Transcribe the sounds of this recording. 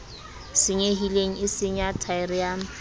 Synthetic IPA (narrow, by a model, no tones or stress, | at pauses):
sɪɲeɦileŋ̩ɪsɪɲatʰaɪrɪam